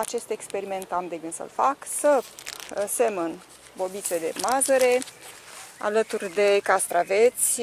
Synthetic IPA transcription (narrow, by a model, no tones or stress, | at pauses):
at͡ʃe̞st̪e̞kspe̞ɾime̞nt̪amd̪eɡɨnsə̰lfaksə | se̞mən | bo̞bit̪t͡ʃed̪e̞̰mazəɾe̞ | a̰lət̪urʲd̪e̞kast̪ɾave̞t̪sʲ